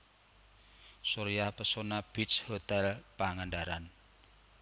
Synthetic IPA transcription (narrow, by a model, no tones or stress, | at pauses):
suɾijapəsonab̥it͡ʃhot̪ɛlpaŋaɳɖaɾan